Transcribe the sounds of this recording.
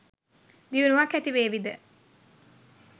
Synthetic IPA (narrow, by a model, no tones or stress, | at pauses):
d̪iunuʋakːɛt̪iʋeːʋid̪ə